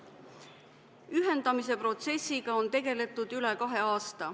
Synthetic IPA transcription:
yɦe̞nd̪̥ɑmis̬e̞pro̞t̪se̞sʲːiɡ̥ɑo̞nt̪e̞ɡ̥e̞le̞t̪ːˑud̪̥ylekɑɦeɑːst̪ɑ

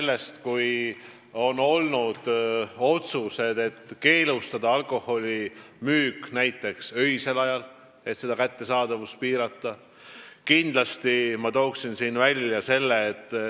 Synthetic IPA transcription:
elːe̞st̪kuj | o̞no̞lnud̪̥o̞t̪suse̞d̪e̞t̪ːke̞ːlust̪ɑd̪ɑɑlko̞ho̞lʲi | myːknæjt̪ːˑe̞ksø̞jse̞lɑjɑl | e̞t̪se̞d̪ɑkæt̪ːe̞sɑːd̪̥ɑvus̚piːɾɑt̪ːˑɑ | kind̪lɑst̪imɑt̪o̞ːksinsiːnvælʲjɑse̞lːe̞ːt̪ːˑ

